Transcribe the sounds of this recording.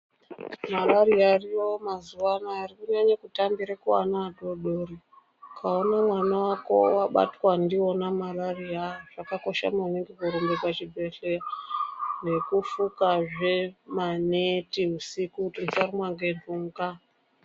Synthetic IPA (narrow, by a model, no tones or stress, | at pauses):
malaɾiariomazuwanaːrikuɲaɲakutambiɾakuwa̰nadoɗori | kʰaonamwanawako̞̰waɓa̰twandionamalariaʐ̥akako̞ʃa̰maneŋɡekuɾumbekat͡ʃibʱe̞ɬea | ne̞kufukaʐe̞manetiusikutinsarimwaŋɡenuŋɡa